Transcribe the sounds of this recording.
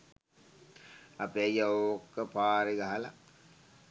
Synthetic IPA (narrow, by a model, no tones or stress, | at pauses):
apeajaoːkːəpaːɾeɡaɦala̰